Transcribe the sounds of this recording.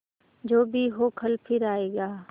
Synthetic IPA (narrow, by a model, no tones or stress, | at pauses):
d͡ʒoːbʱiɦoːkʰəlpʰɪɾaːeːɡaː